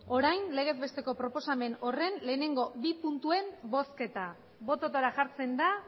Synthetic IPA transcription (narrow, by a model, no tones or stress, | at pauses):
o̞ɾajnle̞ɣ̞ezβe̞st̪e̞ko̞pɾo̞po̞same̞no̞re̞nle̞ːne̞ŋɡo̞bipunt̪ue̞mbo̞ske̞t̪a | βo̞t̪ot̪oɾaʝaɾt͡se̞nd̪a